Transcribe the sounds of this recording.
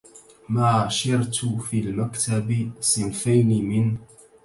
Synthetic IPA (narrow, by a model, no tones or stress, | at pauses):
maːʃɪɾt̪fiːlmakt̪absɪnfajnimɪn